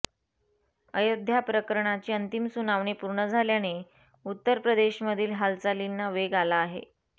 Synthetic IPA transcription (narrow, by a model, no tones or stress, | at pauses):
əjod̪ʱːjapɾəkəɾɳat͡ɕiːənt̪imsunaʋɳepuɾɳəd͡zʱaljane | ut̪ːəɾpɾəd̪eɕməd̪ʱiːlɦalt͡salinːaʋeɡalaːɦḛ